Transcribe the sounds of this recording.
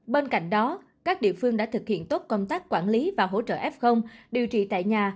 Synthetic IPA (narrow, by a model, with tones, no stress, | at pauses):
ɓe˧nka̰˧˨jŋ̟ɗɔ˨˦ | kaː˦˥k̚ɗḭ˧˨əfɨ˧əŋɗa̰ː˧˥t̪ʰɨ˨˩k̚hḭ˧˨ənt̪o˦˥t̚kə˧wŋ͡mt̪aː˦˥k̚kwaː˧˩nli˨˦vaː˨˩ɦo̰˧˥t͡ɕə̰ː˧˨ʔɛ˦˥p̚xə˧wŋ͡mɗi˨˩əwt͡ɕḭ˧˨t̪a̰ː˧˨jɲaː˨˩